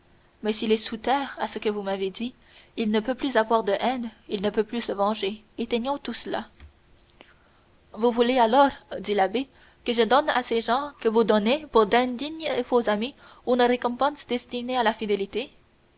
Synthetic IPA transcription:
mɛsilɛsut̪ɛːʁasəkəvumaved̪i | ilnəpøplyzavwaʁd̪əʔɛnilnəpøplysəvɑ̃ʒe | et̪ɛɲjɔ̃t̪usla̰ | vuvulealɔʁd̪ilabe | kəʒəd̪ɔna̰seʒɑ̃kəvud̪ɔnepuʁd̪ɛ̃d̪iɲefozami | unəʁekɔ̃pɑ̃sd̪ɛst̪inealafid̪elit̪e

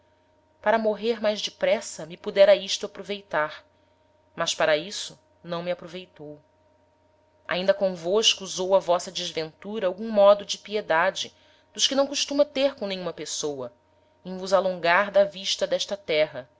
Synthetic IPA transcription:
paɾɐmoɦeɾmajzd͡ʒɪpɾɛsɐmipud̪ɛɾɐiʃt̪ʊapɾovejt̪aɾ | mɐʃpaɾɐisʊ | nɐ̃w̃miapɾovejt̪ow | ʔa̰ĩnd̪ɐkõvoʃkuːuzowɐvɔsɐd͡ʒɪzvẽnt̪uɾɐawɡũmɔd̪ʊd͡ʒɪpied̪ad͡ʒɪ | d̪ʊʃkɪnɐ̃w̃kuʃt̪ũmɐt̪eɾkõnẽj̃ũmɐpesowɐ | ẽj̃vuzalõŋɡaɾd̪ɐviʃt̪ɐd̪ɛʃt̪ɐt̪ɛɦɐ

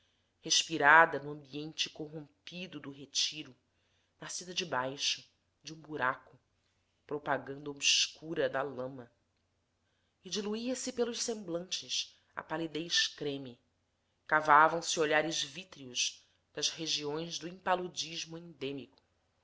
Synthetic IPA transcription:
heʃpiɾad̪ɐnʊɐ̃mbiẽnt͡ʃɪ̥koɦõmpid̪ʊd̪ʊɦet͡ʃiɾʊ | nasid̪ɐd͡ʒɪbajʃʊ | d͡ʒɪũbuɾakʊ | pɾopaɡɐ̃nd̪ɐobskuɾɐd̪ɐlɐ̃mɐ | id͡ʒiluiɐsɪpelʊʃsẽmblɐ̃nt͡ʃɪs | a̰palid̪ejʃkɾẽmɪ | kavavɐ̃w̃sɪoʎaɾɪzvit̪ɾiuʃ | d̪̥ɐzheʒiõj̃zd̪ʊĩpalud͡ʒiʒmʊẽnd̪ẽmikʊ̥

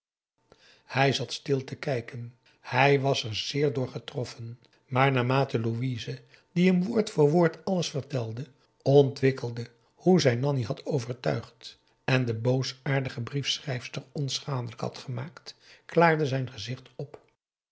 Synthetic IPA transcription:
hɛjzɑtstɪlˠtəkɛjkən | hɛjʋɑsɛɹz̥ɪːɹdʊːɹχətrɔfən | maːɹnaːmaːtəluizə | diɦəmʋʊːɹtfʊːɹʋʊːɹtɑləsfəɹtɛlˠdə | ɔntʋɪkəlˠdə | huzɛjnɑniɦɑtʰowvəɹtœ̰ɥχt | ɛndəbowsaːɹdəχəbrifsrɛjfstəɹɔnsχaːndələkhɑ̰tχəmaːktklaːɹdəzɛjnχəzɪχtɔp

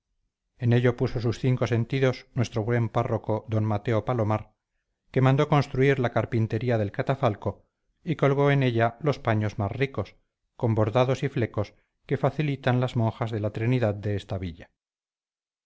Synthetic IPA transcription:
e̞ne̞ʎo̞puso̞susθiŋko̞se̞nt̪iðo̞snwe̞st̪ɾo̞βwe̞mparo̞ko̞ðo̞nmat̪e̞o̞palo̞maɾ | ke̞mãnd̪o̞ko̞nst̪ɾuiɾlakaɾpint̪e̞ɾiaðe̞lkat̪afalko̞ | iko̞lɣ̞o̞e̞ne̞ʎalo̞spaɲo̞zmasriko̞s | ko̞mbo̞ɾðaðo̞sifle̞ko̞s | ke̞faθilit̪anlazmõ̞ŋxazðe̞lat̪ɾiniðaðd̪e̞est̪aβiʎa

